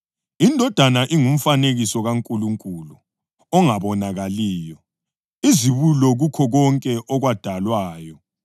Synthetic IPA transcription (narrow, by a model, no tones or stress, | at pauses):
indʱɔd̥ʱanaʔiŋum̩faneɣisɔɣaŋkʼuluŋkʼulu | ɔŋaβɔnaɣaliːjɔ | iziβulɔɣukʰɔɣɔŋkʼɛʔɔɣwad̥ʱalwaːjɔ